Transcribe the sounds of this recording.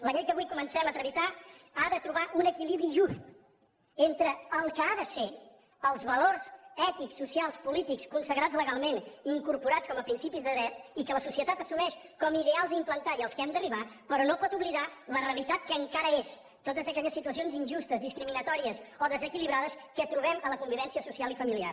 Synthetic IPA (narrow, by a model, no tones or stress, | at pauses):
ləʎej̪kəβujkumənsɛmət̪ɾəβit̪aaðət̪ɾuβaʔunəkiliβɾiʒust̪ | ent̪ɾəəlˠkəaðəse | əlˠzβəlorsɛt̪iksːusialˠspulit̪ikskunsəɣɾad͡zləɣalˠmeniŋkuɾpuɾat͡skɔməpɾinsipizðəðɾɛt̪ikələsusiət̪at̪əsumɛʃkɔmiðealˠzimplənt̪aiəlˠskɛmd̪əriβ̞apəɾɔnopɔt̪uβliðalərəlit̪at̪̚kəːŋkaɾəes | t̪ot̪əzəkɛʎəsːit̪uəsionzinʒust̪əzðiskɾiminət̪ɔɾiəsoðəzəkiliβ̞ɾaðəskət̪ɾuβɛmələkumbiβɛnsiəsusialifəmilia̰r